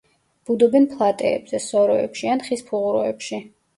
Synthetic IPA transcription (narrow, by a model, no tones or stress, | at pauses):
b̥ud̪ɔbɛnpʰlˠat̪ʼɛ̰ɛ̰bz̥ɛsɔɾɔɛ̰pʃianχispʰuʁuɾɔ̰ɛ̰pʃi